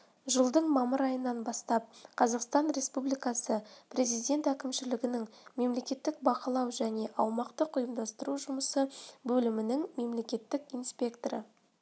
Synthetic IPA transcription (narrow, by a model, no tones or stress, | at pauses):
ʒəlˠd̪əɴmɑməɾɑjənːɑnbɑst̪ɑp̚qʰɑzɑqst̪ɑnɾe̞spublijkɑsəpʰrʲe̞zijd̪ʲe̞nt̪ækʲɪmʃɪlɪɡʲɪnɪŋme̞mle̞kʲe̞t̪ːɪk̚bɑqəlˠɑwʒæne̞ʔɑwmɑqt̪əqʰʊjəmd̪ɑst̪əɾuʒʊməsəbɵlɪmɪnɪŋme̞mle̞kʲe̞t̪ːɪkijnspʲe̞kt̪oɾə̰